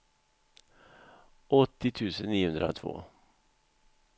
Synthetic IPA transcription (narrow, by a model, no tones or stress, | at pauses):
ɔt̪ːɪt̪ʰʉ̟ːsənːiːhɵnd̪ɾa̰t̪ʰvo̰ː